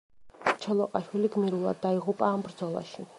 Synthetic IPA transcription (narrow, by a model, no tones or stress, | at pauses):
t͡ʃʰɛlˠɔqʼaʃwiliɡmiɾulˠa̰d̪ːaiʁupʼaːmbɾd̪zɔlˠa̰ʃi